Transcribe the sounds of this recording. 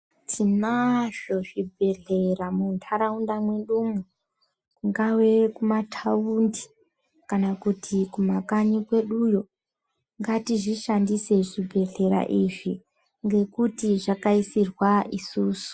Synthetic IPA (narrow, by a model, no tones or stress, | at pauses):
tʰinaʐo̞ʐibʱe̞ɮe̞ramuntʰaɾaundamweɗumu | kuŋɡawe̞kumatʰaundi̥ | kanakutʰikumakaɲikwe̞ɗujo | ŋɡatiʐiʃandise̞ʐibʱe̞ɮe̞ɾa̰ʔiʐi | ŋɡe̞kutiʐakaisirwaʔisuːsu̥